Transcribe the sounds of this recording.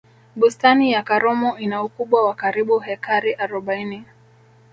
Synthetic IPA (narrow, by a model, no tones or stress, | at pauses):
ɓustanijakaɾɔmɔinaukuɓwawakaɾiɓuhɛkʰaɾiʔaɾɔɓaini